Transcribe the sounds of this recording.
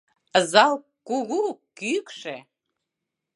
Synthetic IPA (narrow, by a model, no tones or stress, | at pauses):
əzɑlˠ | kuɣukykʃe